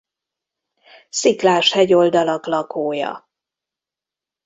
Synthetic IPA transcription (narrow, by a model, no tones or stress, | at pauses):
siklaːʃhɛɟo̞ld̪ɒlɒklɒkoːjɒ̰